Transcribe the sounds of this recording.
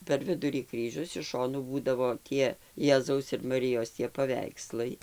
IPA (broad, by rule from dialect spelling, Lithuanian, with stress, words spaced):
pʲɛr ˈʋʲɪdʊrʲiː ˈkrʲiːʒʲʊs ɪʃ ˈʃoːnuː ˈbuːdɐʋoː ˈtʲiɛ ˈjæːzɐʊs ɪr mɐˈrʲɪjoːs tʲiɛ pɐˈʋʲɛɪkslˠɐɪ